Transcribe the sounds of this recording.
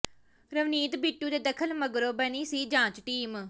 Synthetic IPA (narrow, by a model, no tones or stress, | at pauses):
ɾəʋniːt̪biːʈːuːd̪eːd̪əkʰəlməɡɾoːbəniːsiːd͡ʒãːt͡ʃʈiːm